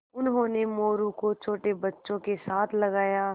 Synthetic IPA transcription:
ʊnɦõnemoːɾukot͡ʃʰoːʈebɐtːʃõkesaːt̪ʰlɐɡaːjaː

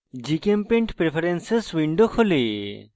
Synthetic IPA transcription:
d͡ʒikempẽɳʈpɾepʰɐɾensesʋiɳɖokʰole

